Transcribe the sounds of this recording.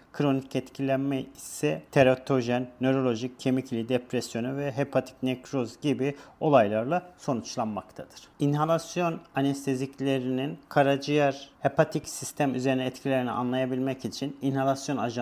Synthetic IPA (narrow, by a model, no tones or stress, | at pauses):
kʰɾo̞nicɛt̪cʰilʲænmɛisɛt̪ʰeɾot̪ʰo̞ʒɛnːø̞ɾo̞lʲo̞ʒic̚cʰe̞miclʲid̪ɛpɾɛsjo̞nuvɛɦepʰat̪ʰi̥cnekɾozɟibio̞lˠajlˠaɾlˠaso̞nut͡ʃlˠanmakt̪ʰad̪̥ɯɾ̥inɦalˠasjo̞nanɛst̪ʰe̞zicʰlʲe̞ɾininkʰaɾad͡ʒɯjæɾhepʰat̪ʰicsist̪ʰæmyze̞ɾinɛɛt̪cʰilʲe̞ɾinḭa̰nlˠajabilʲmɛcit͡ʃʰininhalˠasjo̞naʒ